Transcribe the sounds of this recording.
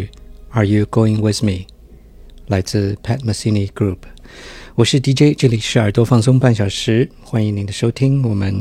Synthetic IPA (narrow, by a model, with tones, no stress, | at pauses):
ə˨ju˧ɡ̥o˥ʊɪ̃˧ŋwɪðmi˨ | la˧˥ɪt͡sɹ̩˥˧pʰɛ˥˧˥t̪̚mə˧si˥ni˧ɡ̥ɹu˥˩p | wɔ˨˩ʂɻ̩˥˩t̪i˧˥t͡ɕe˥ɪʈ͡ʂɤ˥˩li˨˩ʂɻ̩˧˥ə˞˨˩t̪wɔ˥fɑ˥˩ŋsʊ˥ŋpa˥˩nɕjɑ˨˩ʊʂɻ̩˧˥ | xwa˥ni˧˥ŋni˧˥nd̪ə˧˨ʂo˥ʊt̪ʰi˥ŋwɔ˨˩mə˧˦n